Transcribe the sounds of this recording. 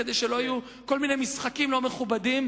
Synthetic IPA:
ed̪eʃelo̞aju | ko̞lminejmisχakimlo̞me̞χubadim

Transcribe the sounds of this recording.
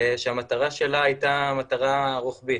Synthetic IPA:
ʃeamat̪aʁaʃe̞laːjt̪amat̪aʁaʁuχbit

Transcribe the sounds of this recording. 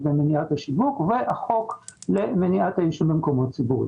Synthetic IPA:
bemeniat̪aʃivukveʔaχoklemeniʔat̪aiʃumbimkomot̚t͡sibuḭ

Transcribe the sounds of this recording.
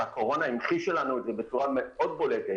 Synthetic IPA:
ako̞ʁo̞naimχiʃe̞lanuetzebet͡suʁameo̞d̪̚bo̞let̪e

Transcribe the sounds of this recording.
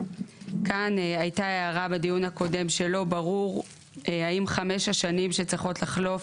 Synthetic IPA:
kanajtaeaʁabedijunhako̞de̞mʃe̞lo̞baʁuʁ | haimχame̞ʃaʃanimʃet͡sʁiχo̞tlaχlo̞f

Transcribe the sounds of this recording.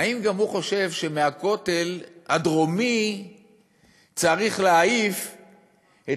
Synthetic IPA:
aimɡamhuχo̞ʃe̞vʃe̞meako̞t̪e̞lhad̪ʁo̞mi | t͡saʁiχleaif | e

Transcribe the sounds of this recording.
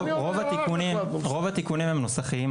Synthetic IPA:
ʁovat̪ikunimʁo̞vat̪ikunimhe̞mnosaχiim

